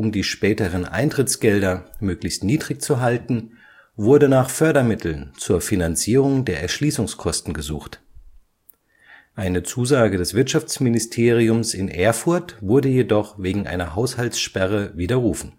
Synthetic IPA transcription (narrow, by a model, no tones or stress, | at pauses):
ʔʊmdiːʃpɛːtəʁ̞ənʔa̰ɪntʁ̥ɪt͡sɡ̥ɛldɐmøːklɪçstniːdʁɪçt͡suɦaltn̩ | vʊɐdənaːχfœɐdɐmɪtʰl̩nt͡suːɐfinant͡siːʁ̞ʊŋdeːɐʔɛ̰ɐʃliːsʊŋskʰɔstn̩ɡəzṵːxt | ʔaɪnət͡suːzaːɡədɛsv̥ɪɐtʃaft͡smɪnɪstʰeːʁ̞iʊmsɪnʔeːɐfʊɐtv̥ʊɐdəjedɔχveːɡŋ̩ʔa̰ɪnɐɦaʊshalsʃpɛʁ̞əviːdɐʁuːfn̩